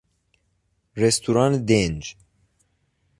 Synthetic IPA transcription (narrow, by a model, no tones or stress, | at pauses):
rest̪ʰuɾɑnd̪end͡ʒ